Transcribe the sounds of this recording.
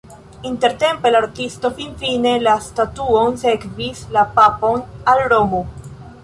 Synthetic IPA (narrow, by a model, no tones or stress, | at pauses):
inte̞ɾte̞mpelaɾtisto̞finfine̞lastatuonsekvislapapo̞nalɾo̞mo